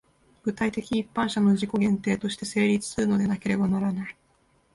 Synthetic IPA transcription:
ɡ̥ɯ̟t̪ait̪e̞kʲiːpːãɕano̞ʑiko̞ɡẽ̞nt̪e̞ːt̪o̞ɕi̥t̪e̞se̞ːɾʲit͡sɨ̥sɨɾɯ̟no̞d̪e̞nake̞ɾe̞banaɾanai

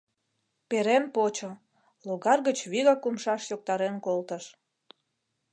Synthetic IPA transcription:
peɾenpot͡ɕo | loɣɑrɣət͡ɕβiɣɑkumʃɑʃjok̚t̪ɑɾenkolt̪əʃ

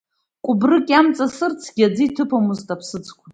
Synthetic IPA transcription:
kʷʼʊbrɨkʲʼamt͡sʼasɨrt͡sʰɡ̥ʲad͡zɨitʰɨpʰomuztʼapʰsɨt͡sʰkʷʰʼa

